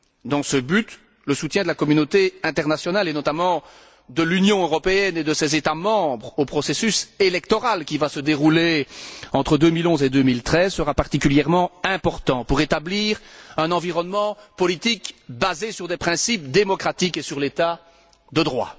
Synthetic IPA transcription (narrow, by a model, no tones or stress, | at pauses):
d̪ɑ̃səbyt̪ | ləsut̪jɛ̃d̪əlakɔmynot̪eɛ̃t̪ɛʁnasjɔnalenɔt̪amɑ̃ | d̪əlynjɔ̃øʁɔpeɛned̪əsɛzet̪amɑ̃bʁopχɔsesyselɛkt̪ɔʁalkʲivasəd̪eʁuleɑ̃t̪χəd̪ømilɔ̃zed̪ømilt̪χɛzsəʁapaʁt̪ikʲyljɛʁmɑ̃ɛ̃pɔʁt̪ɑ̃puʁet̪abliːʁɛ̃nɑ̃viʁɔnmɑ̃pɔlit̪ikbazesyʁd̪ɛpχɛ̃sip̚d̪emɔkχat̪ikesyʁlet̪a | d̪əd̪ʁwa̰